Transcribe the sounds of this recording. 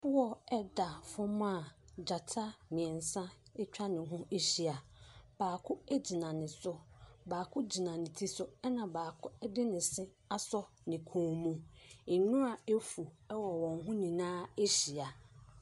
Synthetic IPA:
ʊ˦wɔ˦ɛ˦da˨fʊ̃˦mã˦˨d͡ʑa˨tʰa˦mĩ˨ɛ˨n˨sã˦ɛ˦t͡ɕᶣa˦nɪ̃˨ɦʊ̃˦e˦ɕi˨a˨b̥aː˨kʰʊ˦e˦d͡ʑi˨nã˨nɪ̃˨sʊ˦baː˨kʰʊ˦d͡ʑi˨nã˨nɪ̃˨tʰi˦sʊ˦ɛ˦nã˨baː˨kʰʊ˦ɛ˦dɪ˦nɪ̃˨sɪ˦ | a˦sɔ˦ | nɪ̃˨kʰũː˨mũ˦ɪ˨nʊ̃˦a˨e˦fu˨ɛ˦wɔ˨wɔ̃˨ŋɦʊ̃˦nĩ˨nãː˦e˦ɕi˨a˨

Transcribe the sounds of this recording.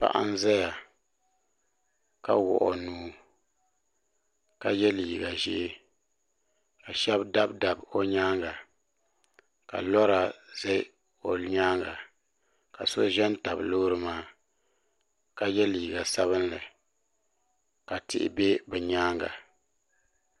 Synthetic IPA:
pa̰˨ʔa̰˦n˦za˦ja˨ | ka˦wʊ̰˨ʔɔ̰˨nuː˨˦ | ka˨jɛ˦liː˨ɡa˨ʒɪ̰˦ʔ | ka˨ʃɛ˦bda˦bda˨bo˦ɲaː˦ŋɡa˨ | ka̰˨lɔ˦ɾa˨zɛ˦ | o˨ɲaː˦ŋɡa̰˨ | ka̰˨so˦ʒɛ˦n˦ta˨bloː˦ɾɨ˦maː˦ | ka˨jɛ˦liː˨ɡa˨sa˦βɨ˦nlɨ˨ | ka˨tɪ̰˨ʔɪ̰˨be˦bɛ˨ɲaː˦ŋɡa̰˨

